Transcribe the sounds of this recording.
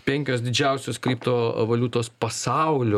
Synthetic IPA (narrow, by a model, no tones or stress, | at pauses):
pʲɛŋʲkʲoːsd̪ʲɪd͡ʒʲɛʊsʲoːskɾʲiːpt̪oːʋɐlʲut̪oːspɐsɑʊlʲʊ